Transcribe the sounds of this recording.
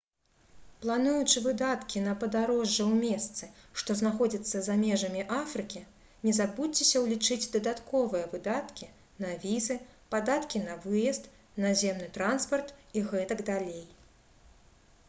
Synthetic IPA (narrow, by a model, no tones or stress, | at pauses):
plˠanujut͡ʂɨvɨd̪at̪kʲinɐpɐd̪aɾɔʐːɛwmʲɛst̪sɨʂt̪ɔznaxɔd͡zʲit̪sːɐzamʲɛʐɐmʲiʔafɾɨkʲi | nʲɛzabut͡sʲɛsʲɐwlʲit͡ʂɨd͡zʲd̪ɐd̪at̪kɔvɨjɐvɨd̪at̪kʲi | nɐvʲizɨpad̪at̪kʲinɐvɨjɐst̪ | nazʲɛmnɨt̪ɾanspɐrt̪iɣɛt̪ɐɡd̪alʲej